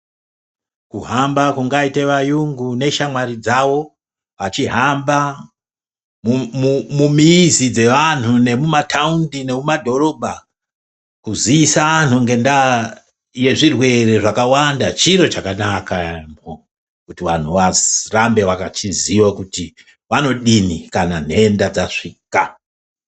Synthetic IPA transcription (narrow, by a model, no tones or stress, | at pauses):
kuɦambakuŋɡaiteʋajuŋɡune̞ʃamwaɾid͡zawo̞ | ʋat͡ʃiɦamba | mumumumiːzid͡ze̞ʋan̤une̞mumatʰaundine̞mumadʱo̞ɾo̞bʱa | kuziisaan̤uŋɡe̞nda | je̞ʐirwe̞re̞ʐakawandat͡ʃiɾo̞t͡ʃakanakamo | kutiʋan̤uʋarambe̞ʋakat͡ʃiziwakuti | ʋano̞ɗinikanan̤endad͡zaʂiːka